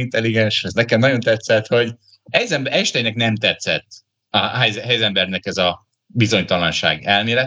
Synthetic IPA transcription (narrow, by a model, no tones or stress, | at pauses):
int̪ɛliɡɛnʃɛznɛkɛmnɒɟo̞nt̪ɛt̪sɛt̪ho̞ɟ | ɛjzɛmbʔɛʃt̪ɛjnɛknɛmt̪ɛt̪sɛt̪ː | ɒɦɛjzɦɛjzɛmbɛrnɛkɛzɒ | bizo̞ɲt̪ɒlɒnʃa̰ːɡɛlmeːɾɛ